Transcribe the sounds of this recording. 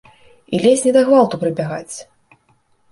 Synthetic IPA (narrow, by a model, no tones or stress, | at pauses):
ḭlʲɛsʲnʲɛd̪ɐɣvalˠt̪upɾɨbʲaɣat͡sʲ